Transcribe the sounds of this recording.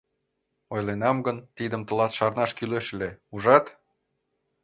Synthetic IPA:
ojlenɑmɡənt̪id̪əmt̪ə̆lɑt̪ʃɑrnɑʃkyleʃleuʒɑt̪

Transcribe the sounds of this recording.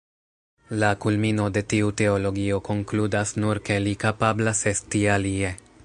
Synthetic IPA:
lakulmino̞de̞tiute̞o̞lo̞ɡio̞ko̞ŋkludasnuɾke̞likapablase̞stialie̞

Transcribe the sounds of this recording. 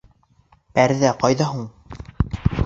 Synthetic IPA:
æɾðæqɑjðɑɦuɴ

